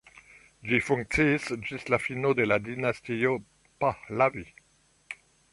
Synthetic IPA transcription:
d͡ʒifuŋk̚t͡siːsd͡ʒislafino̞de̞ladinastio̞ | pahlavi

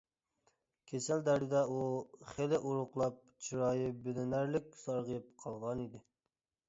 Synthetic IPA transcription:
kʲʰesæld̪æɾd̪ɪd̪ɛuχelɪʔuɾʊqlˠɑp̚t͡ʃʰiɾɑjɨbɪlɪnæɾlɪk̚ʲsɑɾʁjɨp̚qʰɑlˠʁɑnid̪ɪ

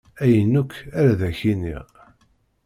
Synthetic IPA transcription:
æjənːukːæɾæðæçinḭ

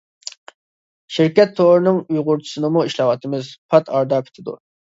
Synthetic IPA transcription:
ʃiɾkʲɛt̪ʰːoɾɨnɨŋujʁʊɾt͡ʃʰu̥sɨnɨmuiʃlˠɑwɑt̪ʰɨmɪzpʰɑt̪ʰɑɾd̪ɑkʲʰɪ̥t̪ʰɪd̪ṵ

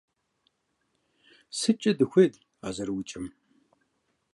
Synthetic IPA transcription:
sɨt͡ʃʼɐdɨxʷed | a̰ːzɐɾwit͡ʃʼɪm

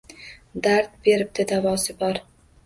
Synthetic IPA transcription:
d̪aɾt̪̚be̞ɾɪb̚d̪ɪd̪avɒsɪbɒɾ

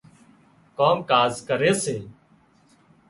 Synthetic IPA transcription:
koːmkaːzkəɾeːseː

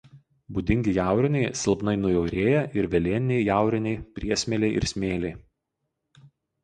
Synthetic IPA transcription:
bud̪ʲɪŋʲɡʲɪjæˑʊɾʲɪnʲɛɪsʲɪlˠbnɐɪnʊjɛʊɾʲeːjɛʔɪɾʋʲɛlʲeːnʲɛɪjæˑʊɾʲɪnʲɛɪpʲɾʲiɛsʲmʲɛlʲɛɪʔɪ̰ɾsʲmʲeːlʲɛɪ

